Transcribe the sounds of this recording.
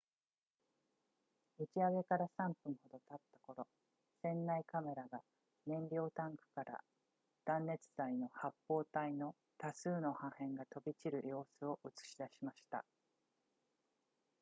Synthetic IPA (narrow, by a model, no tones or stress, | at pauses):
ɯ̟t͡ɕiaɡe̞kaɾasãmpɯ̟̃ɰ̃ho̞d̪o̞t̪at̪ːḁko̞ɾo̞ | sẽ̞nːaikame̞ɾaɡa | nẽ̞ɲɾʲo̞ːt̪ãŋkɯ̟̥kaɾa̰ | d̪̥ãnːe̞t͡sɨ̥zaino̞hapːo̞ːt̪aino̞ | t̪asɨːno̞hãhẽ̞ŋɡat̪o̞bʲit͡ɕiɾɯ̟jo̞ːsɨo̞ʔɯ̟t͡sɨ̥ɕid̪aɕimaɕi̥t̪a̰